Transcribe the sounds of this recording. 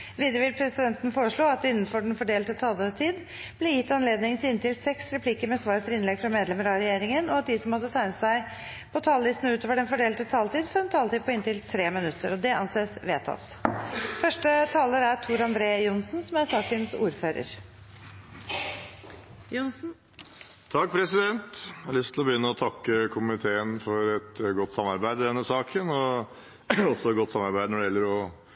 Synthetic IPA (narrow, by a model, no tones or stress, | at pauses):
ʋiːd̪ɾəʋɪlpʰɾɛsɪd̪ɛnt̪ən̩foːɾəʂɭoːɑt̪ɪnːən̩fɔɖɛnfɔɖeːlt̪ət̪ʰɑːlət̪ʰiːd̪ | b̥lɛjɪt̪ːɑnleːd̪nɪŋt̪ʰɪlɪnt̪ɪlsɛksɾɛpʰliːkəɾmɛsʋɑːɾfʰəlɪnlɛɡfɾɑmeːd̪lɛməɾɑɾɛjeːɾɪŋənɔɑt̪̚d̪ɪsɔmhɑd̪ːət̪ʰæɪnəsæɪ | pʰɔt̪ʰɑːlʋɪst̪n̩ʉːt̪oːʋəɖɛnfɔɖeːlt̪ət̪ʰɑːlt̪iːd̪fɔːɖɛnt̪ʰɑːlt̪iːd̪̚pʰɔɪnt̪ɪlt̪ʰɾeːmɪnʉt̪ʰːəɾɔd̪ɛʔɑnseːsʋeːt̪ʰɑ̰t̪ːfœʂʈət̪ʰɑːləɾæɾt̪ʰuːɾɑnd̪ɾeːjʊnsnsɔmæsɑːkənsṵːɾføːɾə̰ɾ | t̪ʰɑk̚ːpʰɾɛsɪd̪ɛnt̪hɑɑɭʏst̪ʰlɔbəjʏnːəɔt̪ʰɑkːəkʰʊmɪt̪ʰeːənfɔɾɛt̪ɡɔt̪ːsɑmːɑɾbæɪd̪əd̪ɛnːəsɑːkʰənɔ | ɔsɔɛt̪̚ɡɔt̪ːsɑmɑɾbæɪd̪ənɔɖɛjɛlːəɾɔ